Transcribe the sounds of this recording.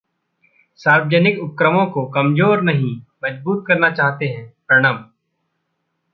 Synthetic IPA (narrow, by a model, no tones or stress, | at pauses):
saːɾwd͡ʒənɪkʊp̚kɾəmõkokɐmd͡ʒoːɾnɐɦĩmɐd͡ʒbuːt̪̚kɐɾnat͡ʃaːɦt̪eɦɛ̃ːpɾɐɽ̃əm